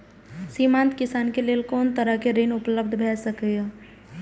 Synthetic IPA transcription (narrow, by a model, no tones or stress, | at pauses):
siːmãːnt̪kɪsaːnkeleːlkɔːnt̪əɾəkeɾeːnʊpləb̚d̪ʱbʱɛːsəkea